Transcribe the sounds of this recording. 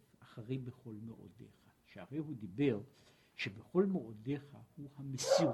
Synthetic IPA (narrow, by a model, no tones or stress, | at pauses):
aχaʁejbeχo̞lmeʔo̰dḛχaʃeaʁejɦud̪ibe̞ʁ | ʃebeχo̞lmeʔodeχahuhamesi